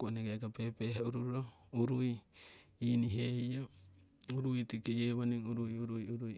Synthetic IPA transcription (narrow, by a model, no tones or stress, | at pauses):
kuʔoneɡakapepeɦauɾuɾɾo | uɾuj | iːniɦehio | uɾujtikejeβaniuɾujuɾujuɾuj